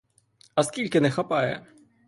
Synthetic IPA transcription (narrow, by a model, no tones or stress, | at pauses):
ɐskʲilʲkʲɪnɛxapajɛ̰